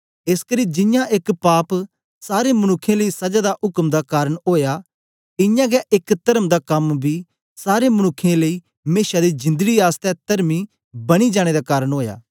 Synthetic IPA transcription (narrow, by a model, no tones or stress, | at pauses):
ɪskəɾiːd͡ʒɪjãʔɪkpaːp | saːɾemɐnʊkʰːẽləiːsɐd͡ʒad̪aʔʊkmd̪akaːɾəɽ̃ɦoːja | ɪjãːɡɛʔɪkt̪ɐɾəmd̪akɐmbʱi | saːɾemɐñʊkʰːẽləiː | meːʃad̪id͡ʒɪ̃nd̪əɡiaːst̪ɛt̪ɐɾmi | bɐɽ̃id͡ʒaːɽ̃ed̪akaːɾəɽ̃ɦoːja̰ː